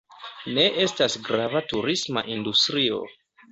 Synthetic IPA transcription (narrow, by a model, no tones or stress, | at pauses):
ne̞ʔe̞stasɡɾavatuɾisma̰ʔindustɾio̞̰